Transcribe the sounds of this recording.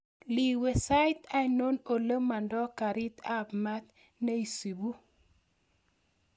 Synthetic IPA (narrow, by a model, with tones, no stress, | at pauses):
li˨we˨sa˦jt̪a˦ino˦no˨lə˦mːa˨ndɔ˦ka˨ɾi˦t̪a˦bma˦t̪ | na˦i˨si˨bu˦